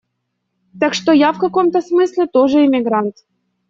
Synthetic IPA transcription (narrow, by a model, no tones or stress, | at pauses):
t̪akʂt̪ojafkɐkomt̪əsmɨsʲlʲɪt̪oʐɨɪmʲɪɡɾant̪